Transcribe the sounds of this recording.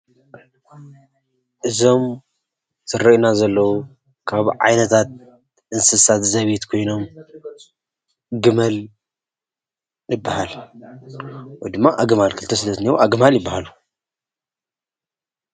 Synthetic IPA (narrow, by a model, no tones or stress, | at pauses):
ʔɨzo̞m | z̥ɨɾɐʔnazɐlːɐwu | kʰaβʕa̰jnɐt̪ʰat̪̚ | ʔɨnsɨsat̪zɐβit̪kʰo̞jno̞m | ɡɨmɐl | jɨbːahal | wojd̪ɨmːaʔaɡɨmalkʰɨlt̪ʰɐsɨlɐzniwoʔaɡɨmaljɪbːahalu